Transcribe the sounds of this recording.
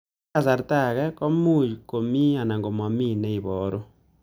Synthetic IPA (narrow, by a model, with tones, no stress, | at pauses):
a˦˨sa˨ɾta˦˨ɣɛ˦kɔ˦mu˦˨d͡ʒko˨mi˦a˨na˨ŋɡo˨ma˨mi˦˨ne˦i˨βɔː˨˦ɾo˦